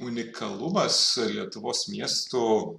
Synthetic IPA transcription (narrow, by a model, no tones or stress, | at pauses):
ʊnʲɪkʰɐlˠʊmɐslʲiɛt̪ʊʋoːsmʲiɛst̪u